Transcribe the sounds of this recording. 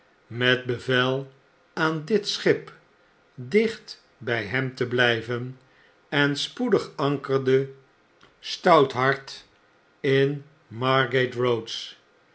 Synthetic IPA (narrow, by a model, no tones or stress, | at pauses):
mɛt̚bəvɛlˠ | aːndɪtsχɪp | dɪχt | bɛjɦɛmtəblɛjvən | ɛnspudəχɑŋkəɹdə | stɑwtɦɑɹt | ɪn | mɑɹɡetrowts